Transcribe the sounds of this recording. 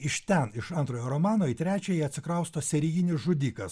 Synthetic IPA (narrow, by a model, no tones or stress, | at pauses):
ɪʃt̪ʲɛnɪʃɐnt̪ɾoːjoːɾomɑːnoːiːt̪ʲɾʲæːt͡ʃʲɛjɛɐt̪ʲsʲɪkɾɐʊst̪oːsʲɛɾʲiɡʲɪnʲɪsʒʊd̪ʲiːkɐs